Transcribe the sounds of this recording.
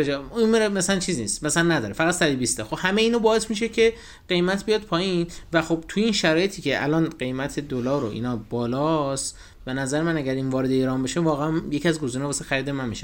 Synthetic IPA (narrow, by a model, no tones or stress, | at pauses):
ed͡ʒɒinmeɾmæsælænt͡ʃʰiːzniːst̪mæsælænːæd̪ɒːɾefæɣæt̪sæɾibist̪ɒxobhæme̞iːnɒbɒːe̞smiʃe̞cʰe̞ | ɢe̞jmæt̪ʰbijɒːd̪̚pʰɒːjinvæxo̞b̚t̪ʰujeiːnʃæɾɒːjet̪ʰiːcʰeʔæ̰lɒːnɢe̞jmæt̪ʰe̞d̪olɒːɾoʔḭːnɒːbɒːlɒst̪ | be̞næzæɾemænæɡæɾiːnvɒːɾe̞d̪eiɾɒːmbeʃevɒːɣeæmjecʰiæzɡo̞ziːnɛbɒːsexæɾiːd̪emænmiʃe